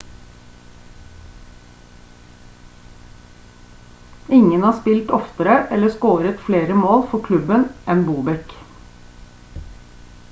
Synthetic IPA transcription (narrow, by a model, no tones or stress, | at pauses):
ɪŋənhɑːspɪlt̪ɔft̪əɾəʔɛləskoːɾət̪fleːɾəmoːlfɔkʰlʉbənʔɛnbuːbɛk